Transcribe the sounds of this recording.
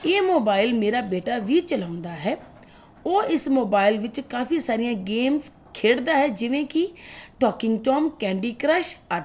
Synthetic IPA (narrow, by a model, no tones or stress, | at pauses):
eːmoːbaːɪlmeːɾaːbeːʈaːʋiːt͡ʃəlãːʊnd̪aːɦɛː | oːɪsmoːbaːɪlʋɪt͡ʃkaːfiːsaːɾɪjãːɡeːms | kʰeːɽd̪aːɦɛːd͡ʒɪʋẽːkɪʈɔːkɪŋɡʈoːmkɛ̃ːɳɖiːkɾəʃaː